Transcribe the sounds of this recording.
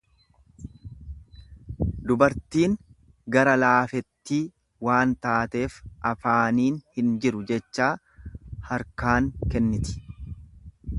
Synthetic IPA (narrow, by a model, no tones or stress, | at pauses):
d̪ʊbɐɾt̪iːŋ | ɡɐɾɐlaːfɛt̪ːiː | waːnt̪aːt̪e̞ːfʔɐfaːniːnhɪnd͡ʒɪɾʊd͡ʒɛt͡ʃːaː | hɐɾkaːŋkɛnːɪt̪ɪ̥